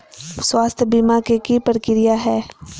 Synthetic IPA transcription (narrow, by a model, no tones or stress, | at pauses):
swaːst̪ʰjəbimakekipəɾkɪɾɪjaɦɛː